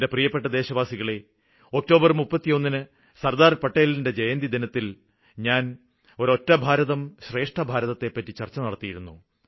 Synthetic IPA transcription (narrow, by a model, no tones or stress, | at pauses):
de̞prijɐpːe̞ʈːɐd̪e̞ːɕɐʋaːsiɣɐɭe̞ | o̞k̚to̞ːbɐrmupːɐt̪ːijo̞nːinɨ | sɐrd̪aːrpɐʈːeːlinde̞d͡ʑejɐnd̪id̪inɐt̪ːil | ɲaːn | o̞ɾo̞tːɐbʱaːɾɐðɐmɕre̞ːʂʈɐbʱaːɾɐðɐt̪ːe̞pːɐtːit͡ɕɐrt͡ɕːɐnɐɽɐt̪ːijiɾunːu